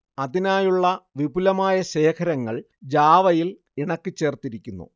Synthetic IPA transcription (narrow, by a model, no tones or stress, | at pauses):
ɐðinaːjuɭːɐʋibulɐmaːjɐɕe̞ːkʰɐɾɐŋːɐɭ | d͡ʑaːʋɐjil | iɳɐkːɨt͡ɕːe̞ːrt̪iɾikʲːunːṵ